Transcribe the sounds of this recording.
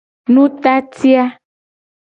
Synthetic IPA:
nũ˦t̪a˦t̪i˦a˦

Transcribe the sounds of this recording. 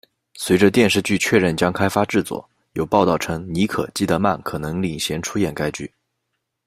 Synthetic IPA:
swe˧˥ɪʈ͡ʂə˧t̪jɛ˥˧nʂɻ̩˥˧t͡ɕy˥˧t͡ɕʰɥɛ˥˧ɻə˥˩nt͡ɕjɑ˥ŋkʰa˥ɪfa˥ʈ͡ʂɻ̩˥˩t͡swɔ̰˥˩ | jo˨˩ʊpɑ˥˧ʊt̪ɑ˥˩ʊʈ͡ʂʰɤ˥ŋni˧˥kʰɤ̰˨˩t͡ɕi˥˩t̪ə˧˥ma˥˩nkʰɤ˨˩nɤ˧˥ŋli˨˩ŋɕjɛ˧˥nʈ͡ʂʰu˥jɛ˨˩nka˥ɪt͡ɕy̰˥˩

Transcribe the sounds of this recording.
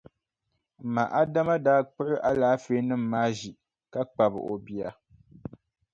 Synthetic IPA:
ma̰˨ʔa˦da˦ma˦daː˦k͡pʊ˦ʔɪ˦ʔa˦laː˦feː˦nɨ˦m̩ː˨aː˦ʒi˨ | ka˦k͡pa˨bɨ̰˨ʔo˨bi˦a˨

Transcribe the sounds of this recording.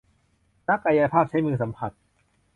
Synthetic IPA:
na˦˥kːa˧ja˧pʰaː˥˩p̚t͡ɕʰa˦˥jmɯː˧sa˩˦mpʰa˨˩t̪̚

